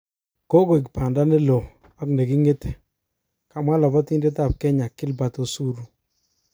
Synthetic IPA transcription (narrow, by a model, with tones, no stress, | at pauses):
ko˦ɡo˨i˨k̬pa˨nda˦ne˦lo˨ | a˦kne˨ki˦ŋe˦te̥˨ | ka˨ma˦lɔ˨bɔ˦ti˦nde˦t̬a˦˨p̚kɛ˦ɲa˨kːɪ˦lba˨to˦su˦ɾu˦